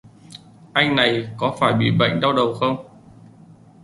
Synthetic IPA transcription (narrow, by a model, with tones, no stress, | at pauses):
ʔa˧jŋ̟na˨˩jkɔ˨˦faː˧˩jɓḭ˧˨ɓə̰˧˨jŋ̟ɗa˧wɗə˨˩wxə˧wŋ͡m